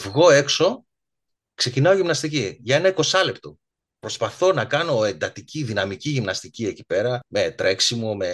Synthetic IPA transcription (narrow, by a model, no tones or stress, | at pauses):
vɣo̞e̞kso̞ | kse̞cinɐoʝimnɐst̪iciʝɐe̞nɐiko̞sɐle̞pt̪o̞ | pɾo̞spɐθo̞nɐkɐno̞e̞nd̪ɐt̪iciðinɐmiciʝimnɐst̪icie̞cipe̞ɾɐmet̪ɾe̞ksimome̞